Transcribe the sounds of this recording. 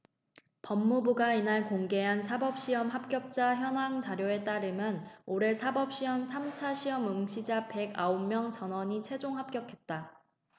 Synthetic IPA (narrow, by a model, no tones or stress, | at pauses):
pʌmːubuɡainaɭkoŋɡe̞ɦansʰabʌp̚ɕ͈iʌmɦap̚k͈jʌp̚t͡ɕ͈açjʌnɦaŋt͡ɕaɾjoe̞t͈aɾɯmjʌnoɾe̞sʰabʌp̚ɕ͈iʌmsʰamt͡ɕʰaɕʰiʌmuŋɕʰid͡ʑape̞ɡa̰omːjʌŋt͡ɕʌnwʌɲit͡ɕʰe̞d͡ʑoŋɦap̚k͈jʌkʰe̞t̚t͈a